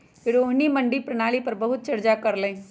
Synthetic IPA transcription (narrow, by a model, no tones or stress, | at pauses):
ʋɪɾoːɦnimɐ̃ɳɖipɾənaːlipəɾbɐɦʊt̪̚t͡ʃɐɾd͡ʒakəɾlẽẽː